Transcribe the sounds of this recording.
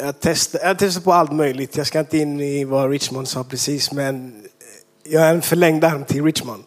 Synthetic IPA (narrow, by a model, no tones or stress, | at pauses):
jɑːt̪ʰɛst̪ajɑːt̪ʰɛst̪aɾpɔalt̪mœjlɪɡt̪ʰjɑskaɪnt̪əɪnːɪvaɾɪt̪t͡ʃmand̪sɑːpʰɾɛsiːsmɛn | jɑːɡænfœɭɛŋd̪aɾmt̪ʰɪlɾɪt̪t͡ʃmand̪